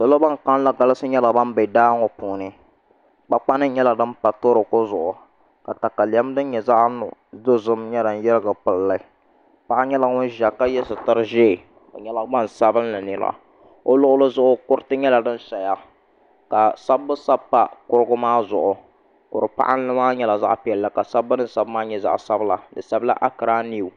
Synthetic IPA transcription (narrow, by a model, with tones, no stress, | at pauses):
so˨lo˦ba˦ŋka˦n˦la˦ɡa˨lɨ˦sɨ˦ɲɛ˦la˨ba˦n˦bɛ˨daː˦ŋɔ˨puː˨nɨ˦ | k͡pa˨k͡pa˦nɨ˦ɲɛ˦la˨dɨ˦mpa˨to˦ɾɨ˨ko˦zʊ˨ʔʊ˨ | ka˨ta˨ka˨li˨ɛ˦m˦dɨ˦n˦ɲɛ˨za˦ʔnʊ̰˨zo˦zɨ˦mɲɛ˦da˨n˦jɛ˦ɾɨ˦ɡa˨pɨ˨lla˦ | pa˦ʔa˦ɲɛ˦la˨ŋʊ˦ʒa˨ka˦jɛ˦sɨ˨ta˦ɾɨ˦ʒeː˦˨ | o̰˨ɲɛ˦la˦ɡ͡ba˦n˨sa˦bɨ˦n˦la˨nɪ˨la̰˦˨ | o˦lʊ˦ʔʊ˦lɨ˦zʊ˦ʔʊ˦kʊ˦ɾtɨ˦ɲɛ˦la˨dɨ˦n˦sa˨ja˦ | ka˨sa˦bːʊ˦sa˦pa˦kʊ˦ɾɨ˦ɡʊ˦maː˦zʊ˨ʔʊ˨ | kʊ˨ɾɨ˨pa̰˦ʔa˦n˦lɨ˦maː˦ɲɛ˦la˨za̰˦ʔpi˨ɛ˨lla˨ka˨sa˦bːɨ˦nɨ˦sa˦bmaː˦ɲɛ˨za̰˨ʔsa˦bla˨dɨ˨sa˦bla̰˦ʔa˦kɨ˨ɾaː˦ni˦˨u˨